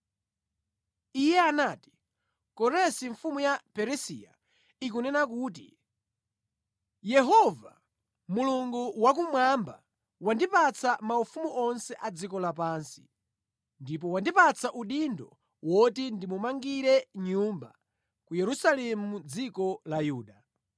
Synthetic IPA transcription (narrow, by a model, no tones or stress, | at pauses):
ijɛanaːti̥ | kɔɾɛsiɱfumujapɛɾɛsija̰ | ik̬unɛnak̬uːt̬ḭ | jɛɦɔva | muluŋɡuwak̬umwamba̰ | wandipat͡sʰamaufumuʔɔnsɛʔad͡zikɔlapaːnsi̥ | ndip̬ɔwandipat͡sʰaʔuɗindɔ | wɔtindimumaŋɡiɾɛɲumba̰ | kujɛɾusalɛmud͡zikɔlajuːɗa